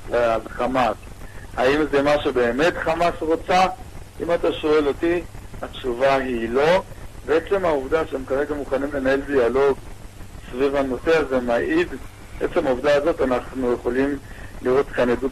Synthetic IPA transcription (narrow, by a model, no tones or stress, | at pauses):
laalχamashaimzemaʃube̞ːme̞tχamasʁo̞t͡saʔimataʃo̞e̞lo̞tiatʃuvaɦilo̞veet͡slemauvdaʃeemkaʁe̞ɡamuχanimle̞nae̞ldialo̞ɡsvivhano̞teazemaʔid̪ | ʔet͡semauvd̪aːzo̞tanaχnuje̞χo̞limliʁo̞tkanedu